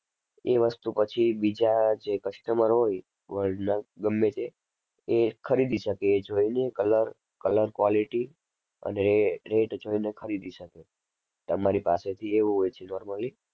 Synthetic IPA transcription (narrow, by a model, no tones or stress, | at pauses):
eʋəst̪upət͡ʃʰibid͡ʒad͡ʒekət͡ʃʰi̥t̪əməɾɦoj | ʋəɭɖnaɡəmːet͡ʃʰeː | kʰəɾid̪iʃəkeːd͡ʒoinekələɾ | kələɾkʋɔliʈi | ə̰neɾeʈd͡ʒoinekʰəɾid̪iʃəke | t̪əmaɾipa̰set̪ʰieʋũɦojt͡ʃʰenɔɾməli